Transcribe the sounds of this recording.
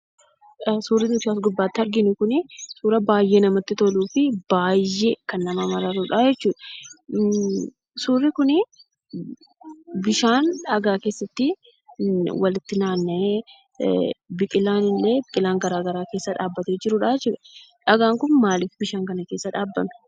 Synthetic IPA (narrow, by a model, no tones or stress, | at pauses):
suːrɪnʊt̪ɪaːsɡʊbːaːt̪ːɪɐɾɡɪnʊkʊnɪsuːɾɐbaːjːeːnɐmɐt̪ːɪt̪ɔluːfɪbaːjːekɐnːɐmɐmɐɾɐɾuːᶑaːd͡ʒɛt͡ʃːuːᶑɐ̥ | suːrːɪkʊnɪ | bɪʃaːnᶑɐɡaːke̞ːsːɐt̪ːɪ | wɐlɪt̪ːɪnaːnːɐe | bɪkʼɪlaːnɪlːeːbɪkʼɪlaːŋɡɐɾaːɡɐɾaːkeːsːɐᶑaːbːɐt̪eːd͡ʒɪɾʊᶑaːd͡ʒɛt͡ʃːuːᶑɐᶑɐɡaːŋkʊnmaːlɪfbɪʃaːŋkɐnɐke̞ːsːɐᶑaːbːɐmɪ̥